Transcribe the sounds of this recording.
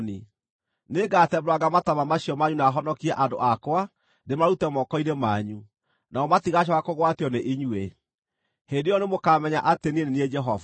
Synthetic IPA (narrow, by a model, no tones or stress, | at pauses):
ni | neɡatɛmɾwaɡamatamamaɕiɔmaɲunaɦɔnɔkiɛʔando̰ʔakwa | demaɾutɛmɔkɔinemaɲu | naɔmatiɣaɕ̬ɔɣakoɣwatjɔneʔiɲwe | hendejɔnemokaːmɛɲaʔatenienenied͡ʒɛɦɔva